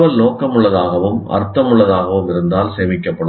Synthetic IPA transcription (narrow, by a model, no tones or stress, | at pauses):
ʋɐlnoːkɐmɯɭːɐðaːɣɐʋɯmɐ̰ɾt̪ːɐmʊɭːɐðaːɣɐʋɯmɪɾɯnd̪aːlseːmɪkːɐpːɐɽɯ